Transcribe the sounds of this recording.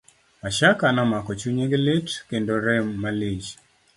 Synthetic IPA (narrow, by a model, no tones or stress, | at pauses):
aʃakanamakɔt͡ʃuɲeɡlɪtkendoɾɛmːalid͡ʒ